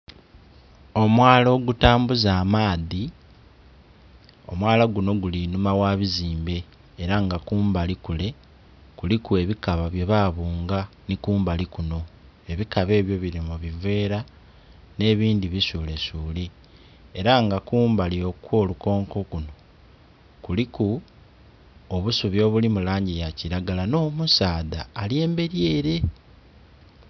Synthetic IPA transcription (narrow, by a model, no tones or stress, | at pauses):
o̞mwaːlo̞ːɡutaːmbuzaːmaːði | o̞mwaːlaɡuno̞ɡulinumawaːβiziːmbe̞ː | ɾaŋɡakuːmbalikule̞ | kulikue̞βikaβaβje̞βaːβuːŋɡanikuːmbalikuno̞ | e̞βikaβe̞ːβjo̞βiɾimuβive̞ːɾa | ne̞ːβiːndiβisule̞suːli | eɾaŋɡakuːmbalio̞kwo̞ːluko̞ːŋko̞kuno̞ | kuliku | oβusuβjo̞ːβulimulaːɲɟijaciɾaɡalano̞ːmusaːdaːlje̞ːmbe̞ɾje̞ːɾe̞